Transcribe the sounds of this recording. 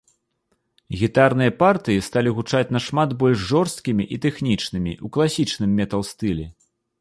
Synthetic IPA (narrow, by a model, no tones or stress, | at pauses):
ɣʲit̪arn̪ɨjɐpart̪ɨjist̪alʲiɣut͡ʂat͡sʲn̪ɐʂmad̪bɔlʲʂʐɔrst̪̚kʲimʲiʔit̪ɛxnʲit͡ʂnɨmʲḭʔuklˠasʲit͡ʂnɨmːʲɛt̪ɐlˠst̪ɨlʲɛ̰